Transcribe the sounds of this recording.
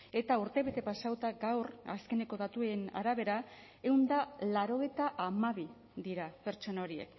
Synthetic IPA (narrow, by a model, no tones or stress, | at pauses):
e̞t̪auɾt̪e̞βe̞t̪e̞pasawt̪aɡawra̰ske̞ne̞ko̞ðat̪ue̞na̰ɾaβ̞e̞ɾa | e̞wnd̪alaɾo̞ɣ̞e̞jt̪aʔamaβ̞i | d̪iɾape̞ɾt͡ʃo̞nao̞ɾiḛk